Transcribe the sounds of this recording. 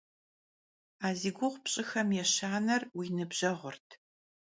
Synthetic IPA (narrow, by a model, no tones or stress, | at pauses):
aːziːɡʷʊʁʷpɕʼɪxɐmjɛɕaːnɐrwiːnɨbʑ̥ɐʁʷʊrtʰ